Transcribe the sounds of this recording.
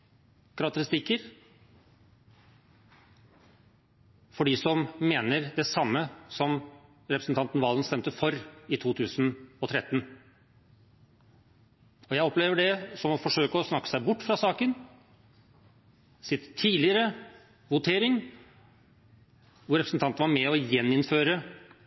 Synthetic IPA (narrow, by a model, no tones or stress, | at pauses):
kʰɾɑk̚t̪əɾɪst̪ɪkːəɾ | fɔɖisɔmmeːnəɾd̪ɛsɑmːəsɔm | ɾɛpɾəsən̩t̪ɑnt̪n̩ʋɑːlnst̪ɛmt̪əfɔɾɪt̪ʰuːt̪ʰʉːsənɔt̪ʰɾɛt̪ːn | ɔjæɪɔpleːʋəɖɛsɔmɔfɔʂøːkəɔsnɑkːə̥sæɪbʊʈːfɾɑsɑːkən | sɪt̪t̪ʰːiːlɪəɾə | ʋʊt̪ʰeːɾɪŋ | ʋʊɾɛpɾsn̩t̪ɑnt̪nʋɑɾmɛɔjɛnːɪnføːɾə